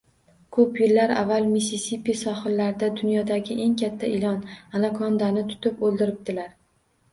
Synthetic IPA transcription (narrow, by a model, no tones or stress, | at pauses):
kʰɵpjɪɾːaɾa̰vːalˠmisisipisɒχɨɾlaɾd̪ad̪ʊnjɒd̪aɡʲɪʔe̞ŋkʲʰat̪ʰːaɪlɒnanakʰɒnd̪anɪt̪ʰʊ̥t̪ʰɪpɵlˠd̪ɪɾɪp̚d̪̥ɪlaɾ